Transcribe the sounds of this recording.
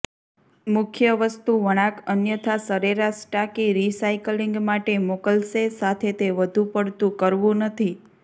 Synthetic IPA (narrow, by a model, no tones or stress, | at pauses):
mʊkʰjəʋəst̪uʋəɽ̃ãkənjət̪ʰasəɾeɾasʈakiɾisaikliŋɡmaʈemokəlsesat̪ʰet̪eʋəd̪ʱupəɽt̪ũkəɾʋũnət̪ʰi